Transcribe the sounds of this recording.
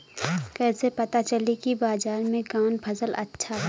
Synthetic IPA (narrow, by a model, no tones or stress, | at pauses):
kɛːsepɐt̪at͡ʃɐlikibaːzaːɾmẽkaːnpʰɐsəlʔɐ̰tːʃʰaɦ